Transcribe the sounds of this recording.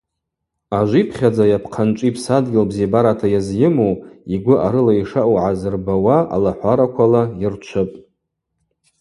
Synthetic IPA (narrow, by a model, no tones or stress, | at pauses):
aʒʷipʰχʲad͡zajapʰqʰant͡ʃʷʼipʰsadɡʲɪlbzebaɾatʰajazjɪmoiɡʷʊʔaɾɨlaiʂaʔwʕazɨrbawaa̰laħʷaɾakʷʰalairt͡ʃʷʰɨpʼ